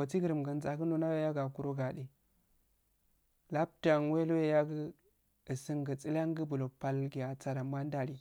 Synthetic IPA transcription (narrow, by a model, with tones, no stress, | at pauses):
o˨ti˦ɡi˨ɾə˨mɡə˨n˦za˨kə˦no˦na˦we˦ja˦ɡa˨ku˦ɾo˦ɡa˨ɗi˨ | la˦p̚ta˨n˦we˦lo˦we˦ja˦ɡə˦ | ə˨si˦ŋɡə˨t͡si˦la˦ŋɡə˦bu˨lo˨pa˨lɡi˨ja˨t͡sa˨ɾa˨ma˦nda˦ɾi˨